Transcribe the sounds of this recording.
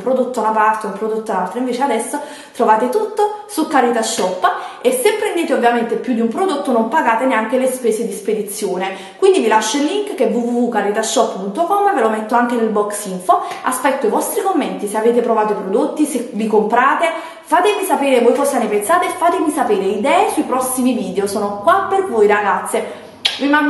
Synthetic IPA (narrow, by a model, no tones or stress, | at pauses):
mpɾod̪ot̪ːounapart̪eumpɾod̪ot̪ːoalt̪ɾaiɱveːt͡ʃead̪ɛsːo | t̪ɾovaːt̪et̪ut̪ːosukːaɾit̪aʃːɔpːesːepːɾend̪eːt̪̬eovːjament̪epjud̪iumpɾod̪ot̪ːonompaɡaːt̪eneaŋk̟elespeːsed̪isped̪it̪sːjoːne | kwind̪ivilaʃːoilːiŋkkːevuvuvːukaɾit̪aʃːɔpːpunt̪okɔmːvelomɛt̪ːoaŋk̟enelbɔksiɱfoa̰spɛt̪ːoivɔst̪ɾikomːent̪iseaveːt̪̬epɾovaːt̪opɾod̪ot̪ːisevikompɾaːt̪e | faːt̪evisapeːɾevojfɔsːanepensaːt̪efːaːt̪emisapeːɾeid̪ɛːesuipɾɔsːimiviːd̪eosoːnokwapːervojɾaɡat̪sːe | vima